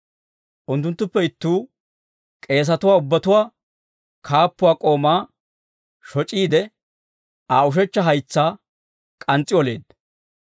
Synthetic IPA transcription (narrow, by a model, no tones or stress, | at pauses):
ʔʊnt̪ːʊnt̪ːʊpːɛɪt̪ːuː | kʼe̞ːs̬ɐt̪ʊwaːʊbːɐt̪ʊwaː | kʰaːpːʊwaːkʼo̞ːmaː | ʃɔt͡ʃʼiːd̪ɛ | aːʊʃ̬ɛt͡ʃːɐɦɐjt͡sːaː | kʼɐnt͡sʼːɪɔle̞ːd̪̚